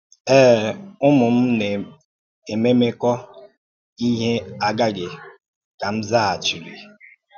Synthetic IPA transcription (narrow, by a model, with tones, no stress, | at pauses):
ɛː˦˨ʊ˦mʊ˨m̩˦ne˨ | e˨me˦me˦kɔ˦ | i˦ɦe˦a˨ɡa˦ɡɪ˨ | ka˨m̩˦za˦a˨t͡ʃi˨li˨